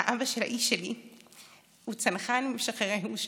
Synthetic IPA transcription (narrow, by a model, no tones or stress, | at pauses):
aʔabaʃelha̰ʔiʃːeli | hut͡sanχanmimʃaχeʁejuʃ